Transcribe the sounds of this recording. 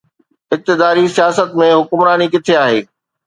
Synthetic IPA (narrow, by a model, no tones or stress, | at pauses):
ɪk̚t̪ɪd̪aːɾisijaːsət̪mẽɦʊkʊmɾaːnikɪt̪ʰeaːɦeː